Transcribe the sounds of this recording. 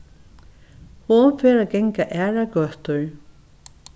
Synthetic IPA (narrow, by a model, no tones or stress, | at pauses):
hʊnfɛːɾaɡɛŋkaʔɛːɹaɡœht̪ʊɹ